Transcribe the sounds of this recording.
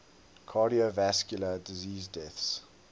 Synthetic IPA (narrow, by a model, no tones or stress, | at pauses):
kʰɑɾiovæskjulədiziːzdɛθs